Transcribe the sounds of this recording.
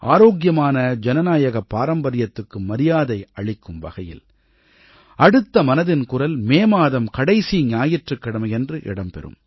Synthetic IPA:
ʔa̰ːɾoːɡjɐmaːnɐd͡ʒɛnɐnaːjɐɣɐpːaːɾɐmbɐɾɪjɐt̪ːɯkːɯmɐɾɪjaːðɐɪɐɭɪkːɯmʋɐ̰ɣɐjɪ̰l | ɐɽɯt̪ːɐmɐnɐðɪnkʊrɐlmeːmaːðɐmkɐɽɐɪsiɲaːjɪʈrɯkːɪɽɐmɐjɛndrɯʔɪ̰ɽɐmpɛ̰ɾɯ̰m

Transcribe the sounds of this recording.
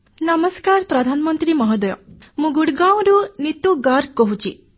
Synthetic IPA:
nəmɔskaɾpɾɔd̪ʱanɔmɔnt̪ɾimɔɦɔd̪ɔjɔ | mũɡuɽɡaw̃ɾunit̪uɡaɾkɔɦut͡ʃʰi

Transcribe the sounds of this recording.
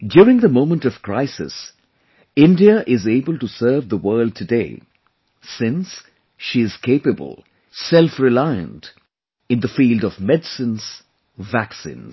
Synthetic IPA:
djʊːɾɪ̃ŋðəmõʊ̃mə̃ntʌv̥kʰɹ̥aɪsɪ̰s | ɪ̃ndiəʔɪzeɪbəlˠtusɜːvðəwɜːld̚tʰɨdeɪ | sɪ̃ns | ʃiɨz̥kʰeɪpɨbə̰lˠ | sɛlˠfɹɪlaɪə̰̃nt | ɨ̃nðəfiːlˠdʌvmɛdsɨ̃nz̥ | væksḭ̃nz

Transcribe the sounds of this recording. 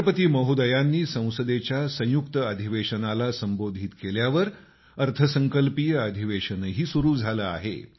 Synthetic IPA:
pət̪iːməɦud̪əjanːiːsə̃w̃səd̪et͡ɕjasə̃j̃jukt̪əəd̪ʱiʋeɕənalasəmbod̪ʱit̪keljaʋəɾ | əɾt̪ʰəsəŋkəlpijəəd̪ʱiʋeɕənɦiːsuɾuːd͡zʱaləa̰ɦḛ

